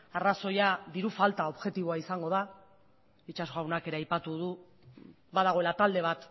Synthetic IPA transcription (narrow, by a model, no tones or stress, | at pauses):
araso̞jaðiɾufalt̪ao̞βʝe̞t̪iβo̞aisaŋɡo̞ð̞a | it͡ʃaszoawnake̞ɾeajpat̪uð̞u | βaðaɣ̞o̞e̞lat̪ald̪e̞β̞at̪